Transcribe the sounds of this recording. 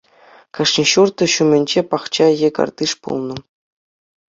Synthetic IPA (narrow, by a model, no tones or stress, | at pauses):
kɑʂnʲiɕurt̪ɤ̆ɕumʲɘnʲd͡ʑepɑχt͡ɕɑjekɑ̰rd̪ɨʂpṵlˠnɤ̆